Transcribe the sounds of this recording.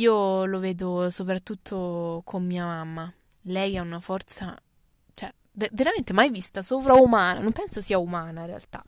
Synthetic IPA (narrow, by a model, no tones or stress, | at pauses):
iːolovɛːd̪osopɾat̪ːut̪ʰːokʰomːiːamamːa | lɛjaunafɔrt̪sa | t͡ʃoɛ | veveɾament̪emajvist̪asoːpɾaumaːna̰nompɛnsosiːaumaːnairea̰lt̪a̰